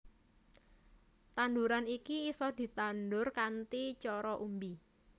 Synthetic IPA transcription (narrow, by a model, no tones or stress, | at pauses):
t̪and̪uɾanikiːsɔd̪̥i̤t̪anɖʊrkant̪it͡ʃɔɾɔʔumbi